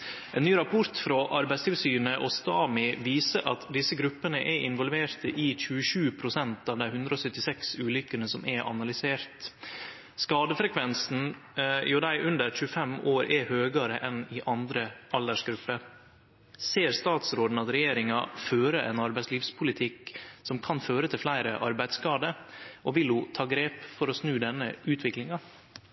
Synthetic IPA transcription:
ʔɛnnyːɾɑpʰʊɾt̪fɾoʔɑɾbæɪst̪ʰɪlsyːnəʔɔst̪ɑːmɪʋiːsəɾʔɑ̰t̪d̪ɪsːəɡɾʉpːənəʔæʔɪnʋɔlʋeːɾt̪ʰəʔɪc͡çʉːəʂʉːpʰɾʊsɛnt̪ɑːʋd̪æɪhʉnd̪ɾəɔsœt̪ːɪsɛksʉːlʏkːənəsɔmʔɛʔɑ̰nɑlʏseːɾt̪ | skɑːd̪əfɾɛkʰʋɛnsn̩ | jʊd̪æɪʔʉnd̪əɾc͡çʉːəfɛmoːɾʔɛhøːɡəɾəʔɛnɪʔɑnd̪ɾəʔɑld̪æʂɡɾʉpːəɾ | seːɾst̪ɑːt̪sɾoːd̪n̩ɑt̪ɾɛjeːɾɪŋɑføːɾəɛ̰nɑɾbæɪtsliːfspʰʊlɪt̪ʰɪksɔmkʰɑnføːɾət̪ʰɪlflæɪɾəʔɑɾbæɪd̪skɑːd̪əʔɔʋɪlʊt̪ʰɑːɡɾeːpfɔɾɔsnʉːd̪ɛnːəʉːt̪ʰʋɪklɪŋɑ

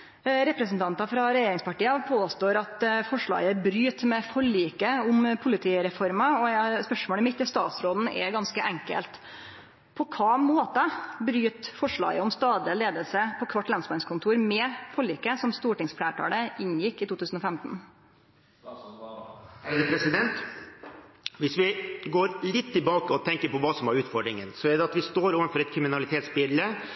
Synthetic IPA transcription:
ɾɛpɾɛsn̩t̪ʰɑnt̪ɑfɾɑɾɛjeːɾɪŋspɑʈiːɑpʰoːst̪oːɾɑt̪fɔʂɭɑ̰ːɡəbɾyːt̪mɛfɔɭiːkəʊmpʰʊlɪt̪ʰiːɾɛfɔɾmɑɔspœʂmoːlɛmɪt̪ːɪst̪ɑ̰ːt̪sɾoːd̪n̩ɛ̰ɡɑnskəʔɛŋkə̰lt̪ | pʰɔkʰɑːmoːt̪ɑbɾyːt̪fɔʂɭɑ̰ːɡəɔmst̪ɑːd̪əleːd̪əlsəpʰɔkʰʋɑʈːlɑnsmɑnskʰʊnt̪ʰuːɾmɛfɔɭiːkəsɔmst̪uːʈɪŋsflæːʈʰɑ̰ːləɪnjɪkːɪt̪ʰuːt̪ʰʉːsn̩ɔːfɛmt̪n̩ | pʰɾɛsɪd̪ɛnt̪ | ʋɪsʋɪɡoːɾlɪt̪ʰːɪbɑːkəɔt̪ʰɛŋkəɾpɔʋɑːsɔmæɾʉːt̪fɔɖɾɪŋə̰nsɔɛɖ̪ɛɑt̪ʋɪst̪oːɾoːʋənfɔɾɛt̪kʰɾɪmɪnɑlɪt̪ʰeːt̪sbɪlːə

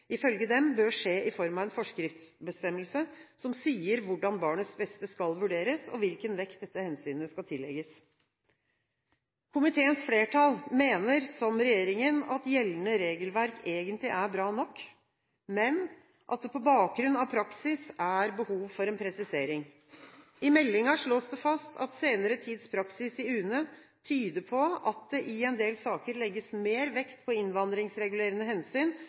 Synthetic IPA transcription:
ʔɪfœlɡəd̪ɛmbøːʂeːʔɪfɔɾmɑʋɛnfɔʂkɾɪft̪sbəst̪ɛmːəlsəsɔmsiːəɾʋʊɖɑnbɑːɳəsbɛst̪əskɑlʋʉɖeːɾəsɔ̰ʋɪlkənʋɛkt̪̚d̪ɛt̪ːəhɛnsyːnəskɑlt̪ʰɪlːɛ̰ɡəs | kʰʊmɪt̪ʰeːənsfleːʈʰɑlmeːnəɾsɔmɾɛjeːɾɪŋənɑt̪jɛlːnəɾeːɡəlʋæɾkeːɡənt̪lɪʔæɾbɾɑːnɔkː | mɛn | ʔɑ̰t̪̚d̪ɛpʰɔbɑːk̚ɡɾʉnːɑʋpʰɾɑksɪsæɾbəhuːʋfɔɾɛnpʰɾɛsɪseːɾɪŋ | ɪmɛlːɪŋɑʂɭoːsd̪ɛfɑst̪ʰɑ̰t̪seːnəɾət̪ʰiːd̪spʰɾɑksɪsɪʉːnə | t̪ʰyːd̪əpʰɔɑt̪̚d̪ɛʔɪɛnd̪eːlsɑːkəɾlɛɡːəsmeːɾʋɛkt̪pʰɔɪnʋɑnd̪ɾɪŋsɾɛɡʉleːɾənəɦɛnsyːn

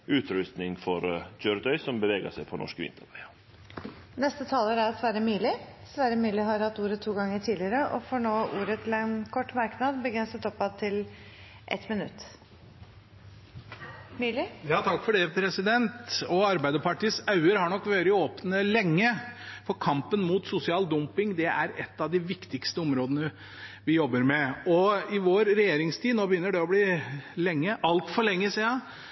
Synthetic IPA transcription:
ʉːt̪ɾʉst̪nɪŋfɔɾd͡ʒøːɾd̪œʏsɔmbəʋeːɡə̰sæɪpʰɔnɔ̰ʂkəʋɪ̰nt̪ʰəɾp | nɛst̪ət̪ʰɑːləɾæɾsʋæːɾəmyːlɪsʋæːɾəmyːlɪɦɑɾhɑt̪ːuːɾət̪ʰːuːɡɑŋːəʈʰiːdlɪəɾəʔɔ̰fɔɳoːʔuːɾət̪ʰɪlɛnkʰɔʈːmɑɾknɑd̪bəɡɾɛnsət̪ɔpːɑt̪ʰːɪl | ʔɛ̰t̪mɪnʉ̰t̪ː | mːlɪjɑːt̪ʰɑkːfɔɖɛpʰɾɛsɪd̪ɛnt̪ɔɑɾbæɪd̪əpɑʈiːsɑʉəɾhɑɳɔkːʋøːɾɪoːpnəlɛŋːəfɔɾkʰɑmpənmuːt̪sʊsɪɑːld̪ʊmpɪŋd̪ɛʔæɾɛt̪ːɑʋd̪ɪʋɪkt̪ɪkst̪əɔmɾoːd̪ənə | ʋɪjɔbːəɾmɛɔɪʋoːɾɾɛjeːɾɪŋst̪ʰiːnoːbəjʏnːəɖɛɔbliːlɛŋːəʔɑlt̪fɔɭɛŋːəsiːɑ

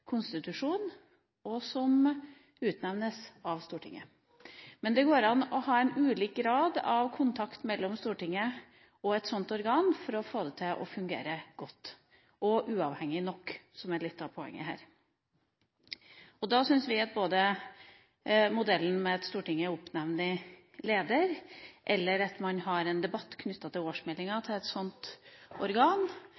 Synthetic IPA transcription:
kʰʊnst̪ɪt̪ʉʂuːn | ɔsɔm | ʉːt̪nɛʋnəsɑʋst̪uːʈʰɪ̰ŋːə̰ | mɛnd̪ɛɡoːɾɑnɔhɑːɛɪnʉːliːk̚ɡɾɑːd̪ɑʋkʰʊnt̪ʰɑkt̪mɛlːɔmst̪uːʈɪŋːə | ɔɛt̪sɔnt̪ɔɾɡɑːnfɔɾɔfoːd̪ət̪ʰɪʔɔ̰fʉŋɡḛːɾəɡ̥ɔt̪ː | ɔʔʉːɑːʋhɛŋːɪnɔkːsɔmæɭɪt̪ːɑʋpʰɔɛ̰ŋːə̰ɦæ̰ːɾ | ɔd̪ɑsʏnsʋɪɑt̪̚boːd̪ə | mʊd̪ɛlːn̩mɛɛt̪st̪uːʈɪŋːəʊpnɛʋnə | leːd̪əɾʔɛlːəɾɑt̪mɑnɦɑɾɛnd̪ɛbɑt̪ːkʰnʏt̪ːɑt̪ʰɪloːʂmɛlːɪŋɑt̪ʰɪlɛt̪sɔnt̪ɔɾɡɑːn

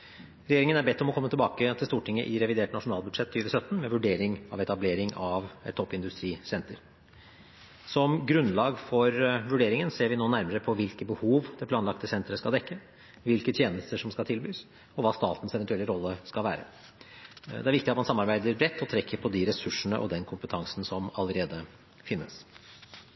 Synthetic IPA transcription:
ɾɛjeːɾɪŋənæɾbɛt̪ːɔmɔkʰɔmːət̪ʰlbɑːkət̪ʰɪlst̪uːʈʰɪŋːə̰ʔɪɾɛʋɪd̪eːʈnɑʂʊnɑːlbʉd̪ʂɛt̪ʰːyːʋəsœt̪ːn̩mɛʋʉɖeːɾɪŋɑ̰ʋɛt̪ɑbleːɾɪŋɑʋɛt̪ʰːɔpːɪnd̪ʉst̪ɾiːsɛnt̪əɾ | sɔmɡɾʉnlɑːɡfɔɾʋʉɖeːɾɪŋənseːɾʋɪnoːnæɾməɾəpʰɔʋɪlkəbəhuːʋd̪̥ɛp̪ʰɑːnlɑkt̪əsɛnt̪ɾəskɑld̪ɛkːə | ʋɪlkət̪ʰjeːnəst̪əʂɔmskɑlt̪ʰɪlbyːs | ɔʋɑːst̪ɑːt̪n̩sɛʋɛnt̪ʉɛlːəɾɔlːəskɑʋæ̰ːɾə̰ | d̪ɛæɾʋɪkt̪ɪɑt̪mɑnsɑmːɑɾbæɪd̪əɾbɾɛt̪ːɔt̪ʰɾɛkʰːəɾpʰɔd̪ɪɾɛsʉʂːəɳə̰ʔɔ̰d̪ɛnkʰʊmpət̪ʰɑŋsn̩sɔmɑləɾeːd̪ə | fɪnːəs

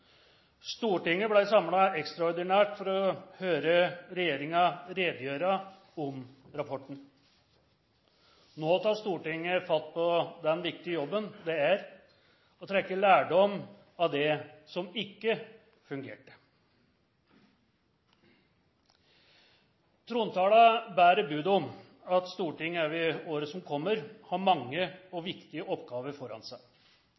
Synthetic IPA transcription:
st̪uːʈɪŋːəblæɪsɑmlɑɛkst̪ɾɑɔɾɖ̪ɪnæːʈfɔɾɔhøːɾəɾɛjeːɾɪŋɑɾeːd̪əjøːɾɑ | ɔm | ɾɑpʰɔʈːɳ̩ | noːt̪ʰɑːʂt̪uːʈɪŋːəfɑt̪̚ːpʰɔd̪ɛnʋɪk̚t̪ɪəjɔbːənd̪ɛæɾ | ɔt̪ʰɾɛkːəɭæːɖɔm | ɑʋd̪ɛsɔmɪkːə | fʉŋɡḛːʈə̥ | t̪ʰɾuːnt̪ʰɑːlɑbæːɾəbʉːd̪ɔm | ɑt̪st̪uːʈɪŋːəæʋɪoːɾəsɔmkʰɔmːəɾhɑɾmɑŋːəɔʋɪkt̪ɪəʔɔpːɡɑːʋəɾfɔɾɑ̰nsæɪ

